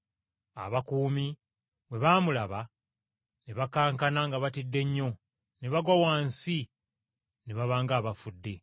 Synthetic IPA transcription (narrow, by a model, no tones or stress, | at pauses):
a̰βakuːmi | βwe̞βaːmulaβa | neβakaːŋkanaŋɡaβatidːe̞ɲːo̞ | ne̞βaɡwawaːnsi | neβaβaːŋɡaːβafudːe̞